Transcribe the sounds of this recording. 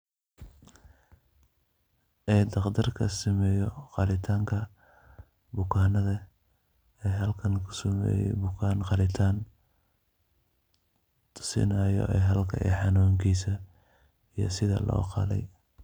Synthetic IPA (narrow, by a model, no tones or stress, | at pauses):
ʔɛːd̪ɑqd̪ɐrkʰɐsɐmɛːjɔqɑlɪt̪ʰaːŋkʰɐ | bʊkʰaːnɐðɐ | ɛːɦɐlkʰɐnkʰʊ̥sʊmɛ̰ːjɛ̰jbʊkʰaːnqɑlɪt̪ʰaːn | t̪ʰʊ̥sɪ̰naːjɔ̰ʔɛːɦɐlkʰɐ̰ʔɛ̰ħɑnuːŋkʰiːsɐ | ijɔ̰sɪðɐ̰lɔ̰ːqɑ̰lɛ̰j